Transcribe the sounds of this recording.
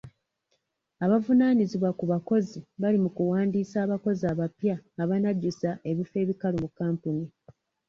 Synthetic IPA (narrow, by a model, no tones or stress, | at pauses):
aβavunaːniziβwakuβako̞ziβalimukuwaːndiːsaːβako̞ziaːβapjaːβanaɟːusaʔe̞βife̞ːβikalumukːaːmpuni